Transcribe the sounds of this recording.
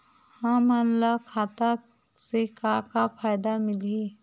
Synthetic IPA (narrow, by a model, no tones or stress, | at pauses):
hamanlakʰaːt̪a | sekakapʰaːjd̪amɪle